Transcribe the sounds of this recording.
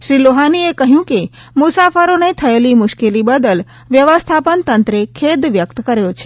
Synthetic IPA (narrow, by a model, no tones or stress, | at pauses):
ʃɾiloɦaniekəɦjũke | mʊsafəɾonet̪ʰəelimʊʃkelibəd̪əl | ʋjəʋəst̪ʰapənt̪ənt̪ɾekʰed̪ʋjəkt̪kəɾjot͡ʃʰe̥